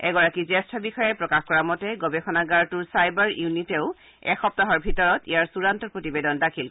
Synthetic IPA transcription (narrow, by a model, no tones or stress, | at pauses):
ɛɡɔɹakizɛstʰɔbixɔjɛpɹɔkaxkɔɹamɔtɛɡɔbɛxɔnaɡaɹtuɹsajbaɹunitɛʊ | ɛ̰xɔp̚taɦɔɹbʱitɔɹɔtḭjaɹsuɹantɔɹpɹotibedɔndakʰil